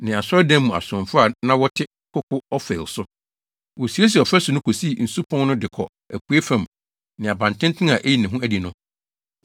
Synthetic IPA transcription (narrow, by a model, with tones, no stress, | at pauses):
nɪ̃˨a˨sɔ˦dɛ̃˦mː˦ũ˨a̰˨sʊ˨ʊ̃˨mfʊ˦a˨nã˦wɔ˦tʰɪ˦ | kʰʊ˦kʰʊ˦ɔ˦fɛ̰˨lsʊ˦ | wɔ˨si˨e˦s̬ɛ˨ɔ˨fɾɛ˦sʊ˨nʊ̃˦kʰo˨si˦˨n̩˨su˦pʰɔ̃˦n˦nʊ̃˦dɪ˨kʰɔ̰˨ | æ˨ku˨˦e˦fæ̃˨m˨ | nɪ̃˨a˨bã˨n˨tʰɪ̃˦n˦tʰɪ̃˦na˨ʔe˦ji˦˨nɪ̃˨ɦʊ̃˦æ˦di˨nʊ̃˦